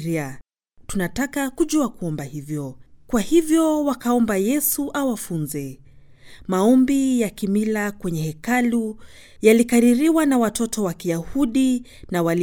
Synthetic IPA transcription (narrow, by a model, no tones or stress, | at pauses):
ɾia | tunatakakuʄuakuɔmbahivjɔkwahivjɔwakaɔmbajɛsuʔawafunzɛ | maɔmbijakimilakwɛɲɛhɛkalu | jalikaɾiɾiwanawatɔtɔwakijahuɗi | nawal